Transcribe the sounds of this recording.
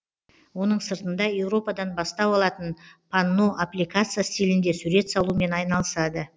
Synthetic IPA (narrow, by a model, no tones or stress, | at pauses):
wo̞nəɴsəɾt̪ənd̪ɑje̞wɾo̞pɑd̪ɑnbɑst̪ɑwɑlˠɑt̪ənpʰanːo̞ʔaplʲijkat̪sɨjast̪ʲilɪnd̪esuɾe̞t̪sɑlˠume̞nɑjnɑlˠəsɑd̪ə